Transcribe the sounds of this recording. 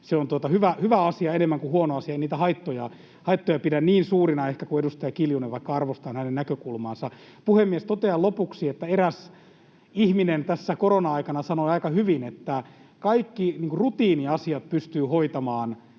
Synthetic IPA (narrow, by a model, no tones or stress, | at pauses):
seont̪uot̪ɑhyʋæhyʋæɑsiɑenemːæŋkuhuonoɑsiɑeiniːt̪æhɑit̪ːojɑ | hɑit̪ːojɑpidænniːnsuːrinɑehkækuedust̪ɑjɑkiljuneʋʋɑikːɑɑrʋost̪ɑːnhænennækøkulmɑːnsɑ | puhemːiest̪ot̪eɑlopuksiet̪ːæeræs | ihminent̪æsːækoronɑɑikɑnɑsɑnoiɑikɑhyʋinet̪ːæ | kɑikːiniːŋkurut̪iːniɑsiɑt̪̚pyst̪yːhoit̪ɑmɑːn